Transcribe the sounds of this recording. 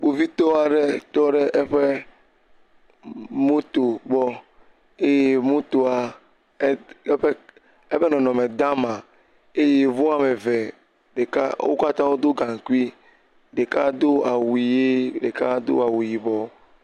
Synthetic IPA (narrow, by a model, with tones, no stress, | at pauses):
k͡po˨vi˦t̪ɔ˦a˨ɖe˦t̪ɔ˦ɖe˦ʔɛ˦ɸe˦ | mo˦t̪o˨ɡ͡bɔ˦ | e˦je˦mõ˦t̪o˨a˨˦ | ɸe˦ | e˦ɸe˦nɔ̃˨nɔ̃˨me˨d̪a˦mã˨ | e˦je˦vo˦a˨me˨ve˨ | ɖe˨ka̰˦wo̰˦ka˦t̪ã˦wo˦d̪o˦ɡã˨ŋ˨ku˦i˦ | ɖe˨ka˦d̪o˦a˨wi˨je˦ɖe˨ka˦d̪o̰˦a˨wu˨ji˨bɔ˨